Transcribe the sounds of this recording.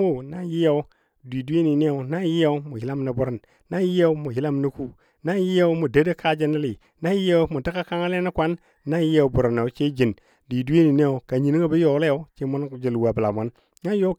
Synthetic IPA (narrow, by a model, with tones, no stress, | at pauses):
o˦˨na˦ji˦ja˦u˦ | dʷi˨du˦e˦ni˨ne˦o˨na˦ji˦ja˦u˦mu˨hi˦la˦mni˨bu˦ɾi˨n | na˦ji˦ja˦u˦mu˨hi˦la˦mni˦ku˦ | na˦ji˦ja˦u˦mu˨da˦de˦kʰa˦d͡ʒi˦ni˦li˨ | na˦ji˦ja˦u˦mu˨ti˦ka˦ka˦ŋa˦le˦na˦kʷa˦nː | a˦ji˦a˨u˦bu˨ɾi˨na˨u˨˦t͡ʃe˦d͡ʒi˨n | dʷi˨du˦e˦ni˨ne˦o˨ka˨ɲi˨ni˦ŋa˦bi˦jo˨˦le˦ja˦u˦t͡ʃe˦mu˦n˦˨d͡ʒi˨lwa˨bə˨la̰˨mu˦n | na˦jo˦